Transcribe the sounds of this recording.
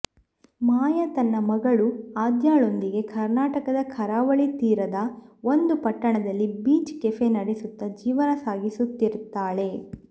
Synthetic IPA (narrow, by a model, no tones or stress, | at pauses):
maːjɐt̪ɐnːɐmɐɡɐɭuaːd̪jaːɭo̞nd̪iɡe̞kʰɐɾnaːʈɐkɐd̪ɐkʰɐɾaːʋɐɭit̪iːɾɐd̪ɐo̞nd̪upɐʈːɐɳɐd̪ɐlːibiːt͡ʃkefe̞nɐɽesut̪ːɐd͡ʒiːʋɐnɐsaːɡisut̪ːiɾut̪ːaːɭe̞